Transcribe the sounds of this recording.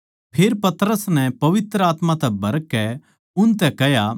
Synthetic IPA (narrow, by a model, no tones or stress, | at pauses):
pʰeːɾpɐt̪ɾəsnɛ̃pɐʋɪt̪ɾəaːt̪mãt̪ɛbʱɐɾkːɛ | ʊnt̪ɛkɛɦja